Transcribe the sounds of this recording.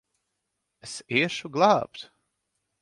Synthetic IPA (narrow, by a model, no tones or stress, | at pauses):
esiɛʃuɡlˠaːpt̪